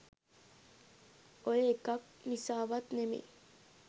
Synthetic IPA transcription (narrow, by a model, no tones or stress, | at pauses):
ojeekːɐk̚nisaːʋɐt̪nemḭ